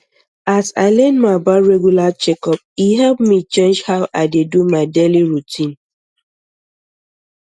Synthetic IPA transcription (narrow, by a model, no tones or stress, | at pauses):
asa̰ɪlɛ̃ndmabaɹɛɡjulat͡ʃɛkɔp̚iɦɛlpmit͡ʃẽnd͡ʒhaʊʔaɪdedumaɪdeliɹutʰĩn